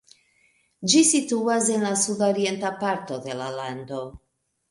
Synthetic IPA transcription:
d͡ʒisituas̬e̞nlasudoɾie̞ntapaɾto̞de̞lalando̞

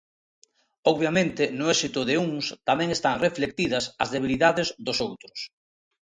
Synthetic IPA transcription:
ɔβjamẽnt̪ɪnʊɛsit̪ʊðɪuŋst̪amɛ̃ŋest̪aŋreflek̚t̪ið̞ɐsɐ̰zðeβ̞iliðaðɪzðʊsowt̪ɾʊs

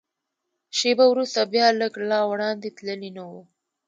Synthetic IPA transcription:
ʃebawɾust̪abjɑləɡlɑwɽɑnd̪et̪ləlinawu

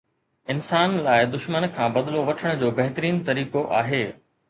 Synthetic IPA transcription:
ɪnsaːnlaːɪd̪ʊʃmənkʰãːbɐd̪ɪloʋɐʈʰəɽ̃ʊ̆d͡ʑoːbɐɦɪt̪ɾiːnt̪ɐɾiːkoʔaːɦeː

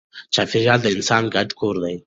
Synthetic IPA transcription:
t͡ʃaːfiɾʒɑːld̪əɪnsɑːnɡaʈkʰoɾd̪aj

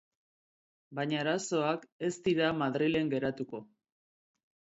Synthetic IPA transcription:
baɲaːɾaso̞ake̞st̪iɾamaðɾile̞ŋɡe̞ɾat̪uko̞

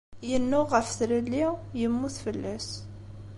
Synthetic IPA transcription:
jənːʊːəfθɾəlːijəmːuθfəlːæs

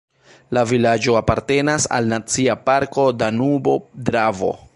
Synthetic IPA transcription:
lavilad͡ʒo̞apaɾte̞nasa̰lnat͡siapaɾko̞danubo̞dɾavo̞̰

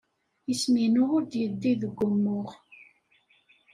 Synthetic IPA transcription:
jəsminʊʁʊɾd̪jəd̪ːiðəɡʷːʊmːʊʁ

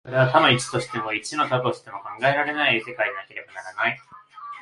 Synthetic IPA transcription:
o̞ɾe̞βat̪amait͡ɕi̥t̪o̞ɕi̥t̪e̞mo̞it͡ɕino̞t̪abɯoɕi̥t̪e̞mo̞kãŋɡae̞ɾaɾe̞naise̞kaiɲinake̞ɾe̞banaɾanai

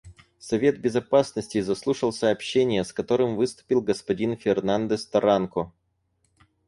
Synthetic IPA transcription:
sɐvʲe̞t̪̚bʲɪzɐpasnəsʲtʲɪzɐslˠuʂəlˠsəːpɕːenʲɪjəskɐt̪o̞ɾɨmvɨst̪ʊ̥pʲilˠɡəspɐdʲinfʲɪrnand̪əst̪ɐɾankɔ

